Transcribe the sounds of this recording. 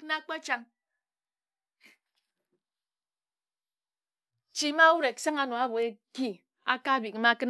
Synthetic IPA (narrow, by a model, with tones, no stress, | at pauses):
kna˦k͡pa˦t͡ʃa˦ŋ | t͡ʃi˦ma˦wu˦ɾe˨ksa˦ŋa˨no˨a˦bo˨e˦ki˦ | a˦ka˦˨bi˨kma˦kɨ˦n